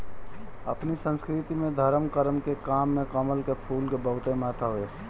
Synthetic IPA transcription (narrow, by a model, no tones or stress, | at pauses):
ə̰pnisə̃nskɾɪt̪imẽd̪ʱəɾəmkəɾəmkekaːmːẽkəməlkepʰuːlkebəɦʊt̪ẽmaːt̪aɦoeː